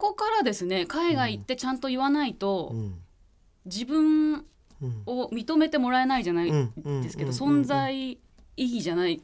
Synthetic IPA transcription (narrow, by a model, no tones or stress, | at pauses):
ko̞kaɾad̪e̞sɨne̞kaiɡait̪ːe̞t͡ɕãnt̪o̞iβanait̪o̞ | d͡ʑibɯ̟̃ɴ | o̞mʲit̪o̞me̞t̪e̞mo̞ɾae̞naiʑanaid̪e̞sɨ̥ke̞d̪osõ̞nd͡zai | iɡʲiʑanai